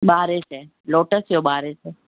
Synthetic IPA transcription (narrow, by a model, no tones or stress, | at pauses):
ɓaːɾese | loːʈəsjoɓaːɾeseː